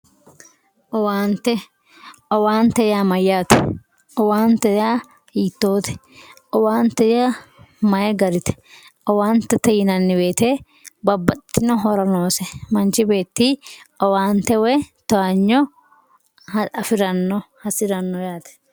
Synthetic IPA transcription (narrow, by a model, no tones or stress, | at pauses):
ʔɔwaːnt̪ɛ | ʔɔwaːnt̪ɛjaːmɐjːaːt̪ɛ̰ | ʔɔwaːnt̪ɛjaː | hiːt̪ːo̞ːt̪ɛ̥ | ʔɔwaːnt̪ɛjaː | mɐjɛɡɐɾɪt̪ɛ̥ʔɔwaːnt̪ːɛt̪ːɛjɪnɐnːɪbe̞ːt̪eː | bɐbːɐt̪ːɪnɔɦɔɾɐnoːsɛmɐnt͡ʃɪbe̞ːt̪ːiːɔwaːnt̪ɛwɛt̪ɔaɲːɔ | hɐɐfɪɾɐnːɔhɐsɪɾɐnːɔjaːt̪ɛ̥